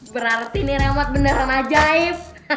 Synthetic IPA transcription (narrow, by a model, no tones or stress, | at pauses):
bəɾart̪iniɾemat̪̚bənəɾanad͡ʒaɪf